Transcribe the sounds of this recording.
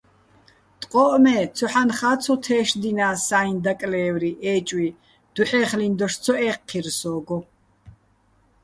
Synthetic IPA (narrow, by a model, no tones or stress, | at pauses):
t̪ʼqʼɔʔmɛːt͡sʰɔħanχaːt͡sʰɔt̪ʰɛːʃd̪inaːsaːind̪akʼlɛːvɾiʔɛːt͡ʃʼwi | d̪̥uħɛːχlind̪ɔʃt͡sʰɔɛːqʰːirsɔːɡɔ